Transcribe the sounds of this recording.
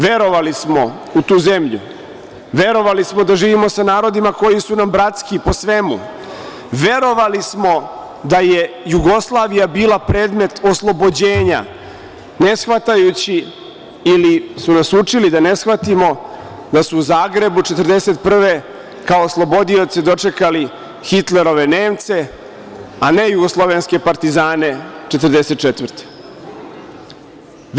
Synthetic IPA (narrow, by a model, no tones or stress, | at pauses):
ʋe̞ɾo̞ʋalismo̞ | ut̪uːze̞mʎṵ | ʋe̞ɾo̞ʋalismod̪aʒiːʋimo̞sanaːɾo̞d̪imako̞jisunambɾat̪skipo̞sʋe̞mṵ | ʋe̞ɾo̞ʋalismo̞ | d̪aje̞ | juɡo̞slˠaːʋijabiːlˠapɾe̞ːd̪me̞t̪oslˠo̞bo̞d͡ʑe̞ːɲa̰ | ne̞sxʋat̪ajut͡ɕi | ilisunasut͡ʂilid̪ane̞sxʋat̪imo̞ | d̪asuːzaːɡɾe̞but͡ʃe̞t̪ər̩d̪ese̞t̪̚pr̩ʋe | kaoːslˠo̞bo̞d̪io̞t̪sed̪o̞t͡ʂe̞kali | xit̪le̞ɾo̞ʋe̞ne̞ːmt̪se̞ | ane̞juɡo̞slˠo̞ʋe̞nske̞paɾt̪izaːne̞t͡ʃet̪ər̩d̪eset̪̚t͡ʃet̪vər̩t̪e̥